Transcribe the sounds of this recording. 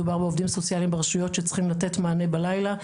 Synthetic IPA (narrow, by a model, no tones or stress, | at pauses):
ubaʁbeovdimso̞t͡sjalimbeʁaʃujo̞tʃet͡sχimlate̞tmaːne̞balajla